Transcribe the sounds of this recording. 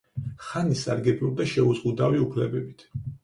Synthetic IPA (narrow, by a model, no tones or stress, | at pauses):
χanisaɾɡɛbɾuɾd̪aʃɛuzʁʼud̪aviupʰlɛbɛbit̪ʰ